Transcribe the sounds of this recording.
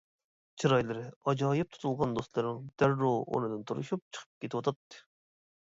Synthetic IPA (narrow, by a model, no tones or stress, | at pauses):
t͡ʃʰiɾɑjlˠɨɾɪɑd͡ʒɑːjɨp̚t̪ʰu̥t̪ʰulˠʁɑnd̪ost̪lˠɨɾɪŋd̪̥æɾːoo̰nɨd̪ɨnt̪ʰuɾṵʃup̚t͡ʃʰə̥qʰə̥p̚kʲʰet̪ɪwɑt̪ʰɑt̪ːɨ̥